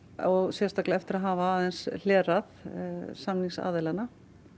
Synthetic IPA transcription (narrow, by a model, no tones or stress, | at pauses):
ɔɣsjɛst̪aklɛɛft̪ɪɾaɦaːvaaːðɛnsl̥ɛːraθsamniŋsa̰ːðɪlanːa